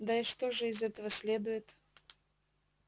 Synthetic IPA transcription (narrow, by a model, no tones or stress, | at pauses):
d̪aɪʂt̪oʐɨɪzɛt̪əvəsʲlʲed̪ʊjɪt̪